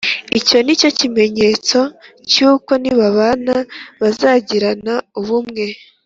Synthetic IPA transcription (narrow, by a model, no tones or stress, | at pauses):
ico̞nico̞cime̞ɲe̞ːt͡so̞ | cuːko̞niβaβanaβazaːɟiɾanauβumŋe̞